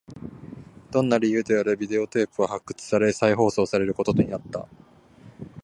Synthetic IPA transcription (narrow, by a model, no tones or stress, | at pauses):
d̪̥õ̞nːaɾʲijɯ̟ːd̪e̞aɾebʲid̪e̞o̞t̪e̞ːpɯ̟βahakːɯ̟̥t͡sɨ̥saɾe̞saiɦo̞ːso̞ːsaɾe̞ɾɯ̟ko̞t̪o̞t̪o̞ɲ̟inat̪ːa̰